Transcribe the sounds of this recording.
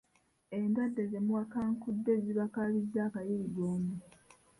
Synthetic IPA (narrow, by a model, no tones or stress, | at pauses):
e̞ndwadːe̞ze̞muwakaŋkudːe̞ziβakaβizaːkajiɾiɡoːmu